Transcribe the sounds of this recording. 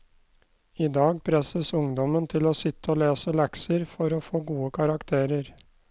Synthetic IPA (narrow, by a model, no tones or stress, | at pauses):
iːd̪ɑːɡpʰɾɛsəsʊŋd̪ɔmənt̪ʰɪloːsɪt̪ːəoːleːsəlɛksəɾfɔɾoːfoːɡuːəkʰɑɾɑkt̪ʰeːɾəɾ